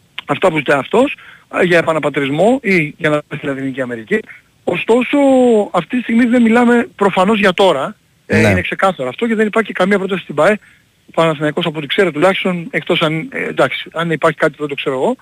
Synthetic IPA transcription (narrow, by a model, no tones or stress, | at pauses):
ɐft̪ɐpuzit̪ɐɐft̪o̞sʝɐepɐnɐpɐt̪ɾizmo̞iʝɐnɐest̪ilɐðiniciɐme̞ɾici | o̞st̪o̞so̞ɐft̪it̪ist̪iɣmizðe̞milɐme̞pɾo̞fɐno̞zʝɐt̪o̞ɾɐ | inekse̞kɐθɐɾoːft̪o̞ce̞ðe̞nipɐɾçikɐmiɐpɾo̞t̪ɐsi̥st̪ibɐe | pɐnɐsinɐiko̞sɐpot̪i̥kse̞ɾot̪ulɐçi̥st̪o̞nekt̪o̞sɐnd̪ɐksi̥ɐnipɐɾçi̥kɐt̪i̥uðet̪o̞kse̞ɾoɣo̞